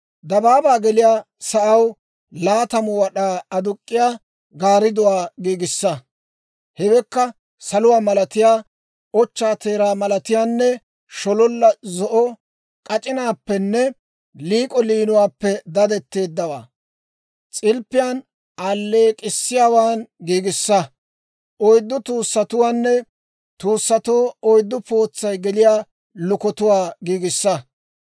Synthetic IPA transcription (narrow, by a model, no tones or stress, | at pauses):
d̪ɐbaːbaːɡɛlɪjaː | sɐʔɐw | laːt̪ɐmʊwɐɗaːɐd̪ʊkʼːɪjaː | ɡaːɾɪd̪ʊwaːɡiːɡɪsːɐ | hɛwɛkːɐ | sɐlʊwaːmɐlɐt̪ɪjaː | ɔt͡ʃːaːt̪e̞ːɾaːmɐlɐt̪ɪjaːnːɛ | ʃɔlɔlːɐzɔʔɔ | kʼɐt͡ʃʼɪnaːpːɛnːɛ | liːkʼɔliːnʊwaːpːɛd̪ɐd̪ɛt̪ːe̞ːd̪ːɐwaː | t͡sʼɪlpːɪjaːn | aːlːe̞ːkʼɪsːɪjaːwaːnɡiːɡɪsːɐ | ʔɔjd̪ːʊt̪uːsːɐt̪ʊwaːnːɛ | t̪uːsːɐt̪oːɔjd̪ːʊpo̞ːt͡sːɐjɡɛlɪjaː | lʊkɔt̪ʊwaːɡiːɡɪsːɐ